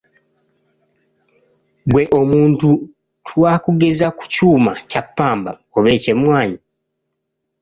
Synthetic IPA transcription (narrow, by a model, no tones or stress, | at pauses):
bwe̞ʔo̞muːntu | tʰwaːkuɡe̞zaku̥cuːmacapːaːmba | o̞βe̞ːce̞mwaːɲi